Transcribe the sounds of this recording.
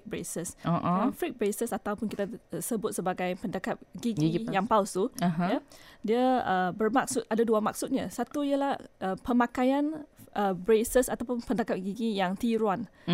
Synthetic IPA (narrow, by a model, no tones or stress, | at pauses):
k̚bɾḛsəsoʔaafɾik̚bɾesəsat̪awpʊnkit̪asəbʊt̪̚səbaɡajpəndakap̚ɡiɡijaŋpawst̪uɦjadiəəbərmak̚sʊt̪̚adaduama̰k̚sʊt̪̚ɲasat̪uijəlahəpəmakajanʔəbɾesəsat̪awpʊnpəndakap̚ɡiɡijaŋt̪iɾwan